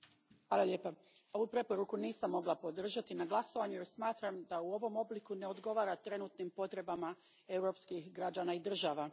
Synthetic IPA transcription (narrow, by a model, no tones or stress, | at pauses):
hʋaːlaʎʲje̞ːpa | o̞ʋupɾe̞po̞ɾukuniːsamːo̞ɡlˠapo̞d̪r̩ʒat̪inaɡlˠaso̞ʋaɲujeɾsmaːt̪ɾamd̪auo̞ʋo̞mo̞blikune̞o̞d̪ɡo̞ʋaːɾat̪ɾe̞nuːt̪nimpo̞t̪ɾe̞bama | e̞wɾo̞pskixɡɾad͡ʑanaid̪r̩ʒaʋa